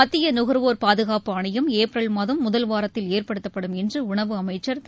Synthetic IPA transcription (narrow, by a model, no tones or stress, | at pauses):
ɐt̪ːɪjɐnʊɣɐɾʋoːɾpaːðɯɣaːpɯɐɳɐjɐmeːpɾɐlmɐðɐmːʊðɐlʋaːɾɐt̪ːɪleːrpɐɽɯt̪ːɐpːɐɽɯmɛndrɯʊɳɐʋɯɐmɐɪt͡ʃːɐɾ